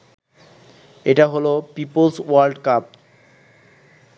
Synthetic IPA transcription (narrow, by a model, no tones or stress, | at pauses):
eʈaɦolopipolswaɾlɖkap̚